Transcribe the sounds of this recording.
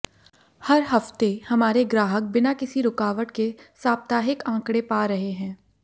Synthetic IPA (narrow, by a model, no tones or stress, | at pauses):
hɐɾɦɐft̪ehɐmaːɾeɡɾaːɦək̚bɪnakɪsiɾʊkaːʋəʈkesaːp̚t̪aːɦɪkãːkɽepaːɾɐɦeɦɛ̃ː